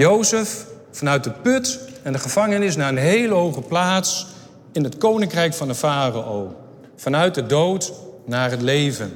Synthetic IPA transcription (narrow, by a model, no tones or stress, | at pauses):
jowsəf | fɑnœɥt̚dəpɵtɛndəχəv̥ɑŋənɪs̬naːənɦejləɦowχəplaːts | ɪnɦətkownɪŋkrɛjkfɑndəvaːraow | fɑnœɥt̚dədowtnaːɹɦətlejvən